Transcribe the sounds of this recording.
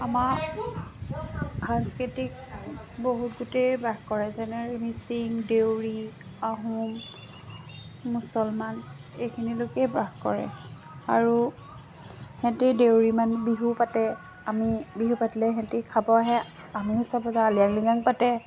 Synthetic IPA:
amaɹ | ansketik̚boɦutɡutejbɹaɡkɔɹɛzɛnɛɹimisiŋdewɹiaɦum | usɔlmanejkʰinilokɛjbɹaxkɔ̰ɹɛ̰ | aɹu | hɛ̃ntidewɹimanbiɦupatɛ | amibiɦupatilɛɦɛ̃tikʰabɔaɦɛ | amiɦusabazaaliaŋliɡaŋpatɛ

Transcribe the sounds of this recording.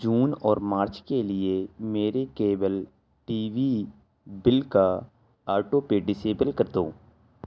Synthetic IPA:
d͡ʒuːnɔːɾmaːɾt͡ʃkelɪemeːɾekeːbəl | ʈiːʋi | bɪlka | aːɾʈopeɖɪseːbəlkɐɾd̪õː

